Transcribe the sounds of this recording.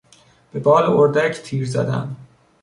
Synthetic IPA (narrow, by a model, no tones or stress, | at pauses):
b̥e̞bɒːleoɾd̪æcʰt̪ʰiːɾzæ̰d̪æ̰nd̪